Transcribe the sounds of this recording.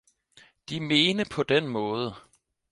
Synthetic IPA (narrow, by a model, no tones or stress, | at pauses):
d̥ime̝ːnəpʰɒ̽d̥enmɔ̽ːð̞ˠə